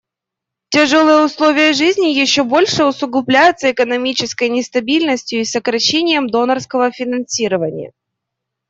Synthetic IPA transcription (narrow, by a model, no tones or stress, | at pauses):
tʲɪʐolˠɨjəʊslˠo̞vʲɪjəʐɨzʲnʲɪjɪɕːobo̞lʲʂɨʊsʊɡlˠʊblʲæjʊt̪səɪkənɐmʲit͡ɕɪskəjnʲɪst̪ɐbʲilʲnəsʲtʲjʊisəkɾɐɕːenʲɪjəmd̪o̞nərskəvəfʲɪnɐnsʲiɾəvənʲɪ̰jə̰